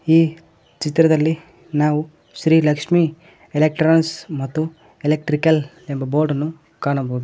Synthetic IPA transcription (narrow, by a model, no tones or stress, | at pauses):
iː | t͡ʃit̪ɾɐd̪ɐlːi | naːʋu | ʃɾiːlɐkʂmi | elek̚ʈɾaːnsmɐt̪ːu | elek̚ʈɾikɐl | embɐboːɾɖɐnːu | kaːɳɐboɦud̪u